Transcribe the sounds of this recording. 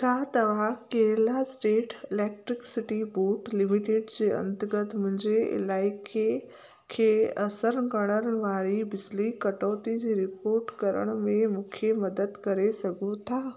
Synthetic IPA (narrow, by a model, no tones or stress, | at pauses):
t͡ʃʰaːt̪ɐʋakeːɾlasʈeːʈɪleːk̚ʈɾɪksɪʈiboːʈlɪmiʈeːɖd͡ʑeːɐ̰̃nt̪əɡət̪ʰmʊ̃ɦɪ̃ɲd͡ʑeɪ̰laːɪkʰe | kʰeɐsəɾnɡəɽ̃əɽʋaːɭibɪd͡ʒlikɐʈɔːt̪id͡ʑiɾɪpoːɾʈkɐɾə̰ɽ̃mẽmʊkʰjemɐd̪əd̪kɐɾesɐɡʱũt̪ʰaː